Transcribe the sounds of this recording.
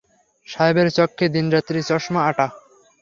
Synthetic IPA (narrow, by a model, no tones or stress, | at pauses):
ʃajbeɾt͡ɕɔkʰːed̪ind͡ʑat̪ːɾit͡ɕɔʃmaaʈa